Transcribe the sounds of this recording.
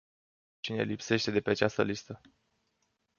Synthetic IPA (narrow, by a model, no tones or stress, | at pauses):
t͡ʃine̞̰lipse̞ʃt̪e̞d̪e̞pe̞at͡ʃast̪əlist̪ə